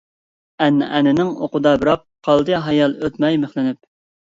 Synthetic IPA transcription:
ɛnːʔɛnɪnɪŋoqʊd̪ɑbɨɾɑp̚qʰɑlˠd̪ɨɦɑjɑlˠøt̪mɛjmeχlɪnyp̚

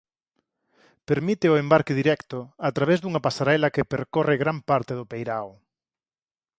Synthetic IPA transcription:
peɾmit̪ɪʊembaɾkeðiɾɛkt̪ʊat̪ɾaβezðuŋɐpasaɾɛlɐkepeɾkoreɣɾampaɾt̪eðʊpejɾaw

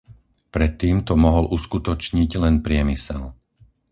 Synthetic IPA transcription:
pɾɛt̪ːiːmt̪ɔmɔɦɔlʔuskut̪ɔt͡ʃɲiɟlɛnpɾɪɛmisɛ̰l

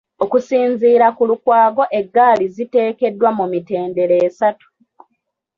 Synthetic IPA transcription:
o̞kusiːnziːɾakulukwaːɡo̞ʔe̞ɡːaːlizite̞ːke̞dːwamumite̞ːnde̞ɾeːsatu̥

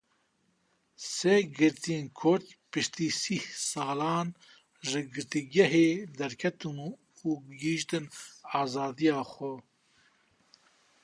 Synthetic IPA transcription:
seɡɨɾt̪ʰijeːnkʰʊɾt̪pɨʃt̪iːsihsɑːlɑːn | ʒɨɡɨɾt̪iɡɛɦeːd̪ɛɾkʰɛt̪ɨmu | uɡiːʃt̪ɨnɑːzɑːd̪ijɑːxɛ

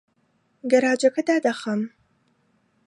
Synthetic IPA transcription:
ɡɐɾaːd͡ʒɐkʰɐd̪aːd̪ɐχɐm

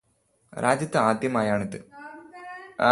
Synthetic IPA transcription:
ɾʔaːd͡ʑjɐt̪ːɐaːd̪ʱjɐmaːjaːɳiðɨ

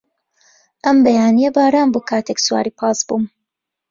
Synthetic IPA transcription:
ʔɐmbɐjaːnijɐbaːɾaːnboːkʰaːt̪ʰeksuwa̰ːɾiːpʰɑːsbuːm

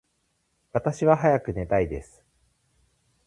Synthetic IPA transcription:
βat̪aɕiβaɦajakɯ̟ne̞t̪aid̪e̞sɨ̥

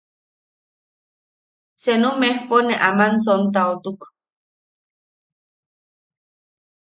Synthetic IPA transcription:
senumehponeʔamans̬ont̪aot̪uk

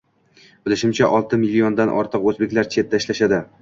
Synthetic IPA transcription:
b̥ɪlɪʃɪmt͡ʃʰaʔɒlˠt̪ʰɪmɪlːiond̪anʔɒ̰ɾt̪ʰɨqɵzbe̞kʲlaɾt͡ʃʰe̞t̪ːaɪʃlaʃad̪ɪ

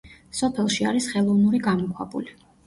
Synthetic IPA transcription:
sɔpʰɛlˠʃia̰ɾisχɛlˠɔvnuɾiɡamɔkʰwabṵli

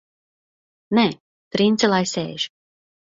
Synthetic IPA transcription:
nɛ | t̪ɾint̪sɛlˠajsɛ̰ːʒ̥

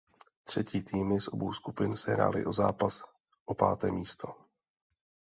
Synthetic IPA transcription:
t̪r̝̥ɛciːt̪ʰiːmɪsʔo̞bowskupɪnsɛɦɾa̰ːlɪ̰ʔo̞zaːpas | ʔopaːt̪ɛ̰ːmiːst̪o

